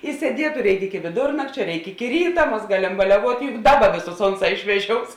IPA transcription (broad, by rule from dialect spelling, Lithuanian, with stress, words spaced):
ɪ sʲiɛˈdʲiɛtʊ ˈrʲɛɪkʲˈɪkʲɪ kʲɪ ʋʲɪˈdʊrnɐkt͡ʃʲoː ˈrʲɛɪk ˈɪkʲɪ ˈrʲiːtɐ ˈmɐs ˈɡɑːlʲɛm bɐlʲɛˈʋuɔtʲ jʊk ˈdɑːˌbɐ ˈʋʲeːˌsʊs ˈoːnˌsɑː ɪʃʲʋʲɛˈʒʲoːʊs